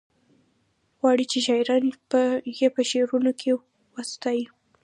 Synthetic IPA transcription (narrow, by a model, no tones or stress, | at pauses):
ɣwɑɽit͡ʃeʃɑjɾɑnpəjepəʃeɾunokʰe | wast̪ɑji